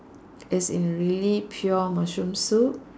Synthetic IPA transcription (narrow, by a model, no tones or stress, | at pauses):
ɛsĩnɹilipʰjuəmaʃũmso